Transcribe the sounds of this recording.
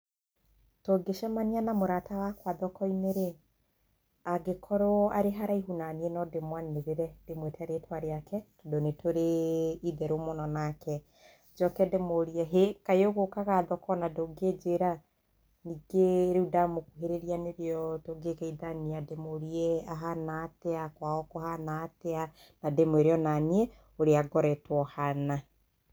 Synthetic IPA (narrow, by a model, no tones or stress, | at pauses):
toɡeʃɛmanianamoɾatawakwaðɔkɔineɾe | aɡekʰɔɾoaɾeɦaɾaiɦunanienɔdemwanneðeɾɛd̥emwetaɾetwaɾeakɛtodonetoɾeiðɛɾomonɔnakɛ | d͡ʒɔkɛdemoɾiɛɦekaeoɣokaɣaðɔkɔnadoɡed͡ʒeɾa | niɡeɾeudamokuɦeɾeɾianeɾeɔtoɡekɛiðaniademoɾiɛaɦanaːteakwaɔkɔhanaːtea | nademweɾeɔnaniɛ | oɾeaɡɔɾɛtwɔhana